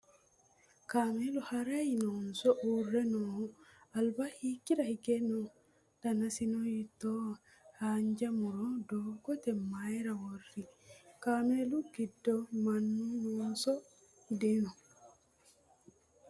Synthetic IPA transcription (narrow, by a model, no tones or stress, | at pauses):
kamɛluhaɾainɔnsɔʔurːɛnɔalbahikːiɾahiɡɛnɔ | tanasinɔjitɔ | haɲd͡ʒamuɾɔdɔɡɔtɛmːajɾaworːikameluɡidːɔmanːunɔnsɔ | dɛnɔ